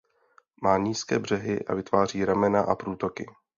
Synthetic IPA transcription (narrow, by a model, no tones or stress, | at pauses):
maːɲiːskɛːbr̝̥ɛɦɪʔa̰vɪt̪vaːr̝iːɾamɛnaʔapɾuːt̪o̞kɪ